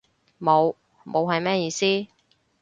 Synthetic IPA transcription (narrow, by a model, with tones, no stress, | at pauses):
mo˨˧w | mʔo˨˧wɦɐ˨jmɛː˥jiː˧siː˥